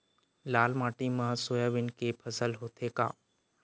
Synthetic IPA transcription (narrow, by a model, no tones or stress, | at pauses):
laːlmaːʈimə̃soːjaʋɪnkepʰɐsəlɦoːt̪ʰeka̰ː